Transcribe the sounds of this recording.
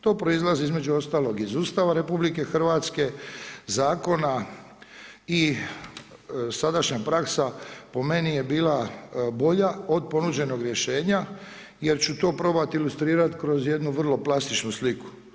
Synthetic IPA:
t̪o̞ːpɾo̞izlˠaziizmed͡ʒuo̞st̪aːlˠo̞ɡizuːst̪aʋaɾepublike̞xr̩ʋat̪ske̞zaːko̞na | i | sad̪aʃɲapɾaksapo̞me̞nije̞biːlabo̞ʎao̞d̪̚po̞nud͡ʑe̞no̞ɡɾjeʃe̞ːɲa | jeɾt͡ɕut̪o̞ːpɾo̞bat̪ilust̪ɾiːɾat̪kɾo̞zje̞d̪nuʋr̩lˠo̞plast̪it͡ʃnusliku̥

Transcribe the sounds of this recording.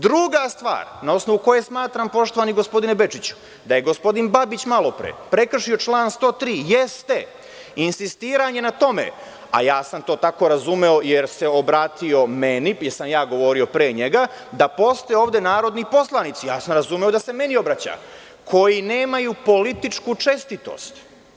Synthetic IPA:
d̪ɾuɡast̪ʋa̰ːɾnao̞sno̞ʋuko̞je̞smaːt̪ɾampo̞ʃt̪o̞ʋaniɡo̞spo̞d̪inebe̞t͡ʃit͡ɕu̥ | d̪aje̞ɡo̞spo̞d̪inbabit͡ɕmalˠo̞pɾḛpɾe̞kr̩ʂio̞t͡ʃlˠaːnst̪o̞ːt̪ɾiːjest̪e̞ | insist̪iːɾaɲe̞nat̪o̞mḛ | a̰jaːsamt̪o̞ːt̪ako̞ɾazume̞o̞jeɾse̞o̞bɾaːt̪io̞menijeɾsamjaːɡo̞ʋo̞ɾio̞pɾeːɲe̞ɡa | d̪apo̞st̪ojeoːʋd̪e̞naːɾo̞d̪nipo̞slˠanit̪sijaːsamɾazumeod̪ase̞me̞nio̞bɾat͡ɕa̰ | kʰo̞jineːmajupo̞lit̪it͡ʂkut͡ʂe̞st̪it̪o̞̰st̪

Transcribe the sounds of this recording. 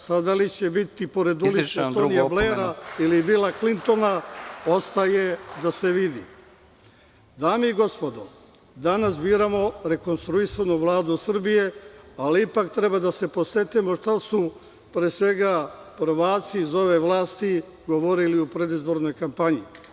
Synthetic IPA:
sad̪alit͡ɕe̞bit̪ipo̞ɾe̞d̪uliet̪onijableɾailibiːlaklint̪o̞nao̞st̪ajed̪ase̞ʋid̪ḭ | d̪aːmeiɡo̞spo̞d̪o | d̪anas̬biːɾamo̞ɾe̞ko̞nst̪ɾuisanuʋlˠaːd̪usr̩bijealiipakt̪ɾe̞bad̪ase̞po̞set̪imo̞ʃt̪asu | pɾeːsʋe̞ɡapr̩ʋaːt̪siːzo̞ʋe̞ʋlˠaːst̪i | ɡo̞ʋo̞ɾiliupɾe̞d̪izbo̞ɾno̞jkampaɲi

